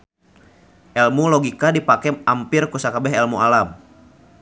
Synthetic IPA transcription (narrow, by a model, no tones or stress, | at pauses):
ʔɛlmulɔɡikadipakɛampirkusakabɛɦɛlmualam